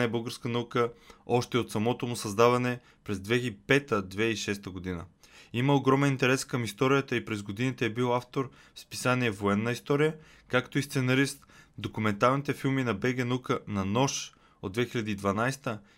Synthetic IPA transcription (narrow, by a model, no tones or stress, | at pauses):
ɛbɤlˠɡəɾskənɐukəɔʃt̪ɛot̪sɐmɔt̪omusɐzd̪avɐnɛ | pɾɛzd̪vɛipɛt̪əd̪vɛiʃɛst̪əɡod̪inə̰iməoɡɾɔmɛnint̪ɛɾɛskəmist̪ɔɾijət̪əipɾɛzɡod̪init̪ɛɛbilˠaft̪oɾ | fspi̥saniɛvoɛnːəist̪ɔɾijə | kakt̪oist̪sɛnɐɾist̪d̪okumɛnt̪alˠnit̪ɛfilˠminɐbɛɡɛnukənɐnɔʃ | od̪vɛxilʎʲɐd̪iːd̪vɐnajst̪ə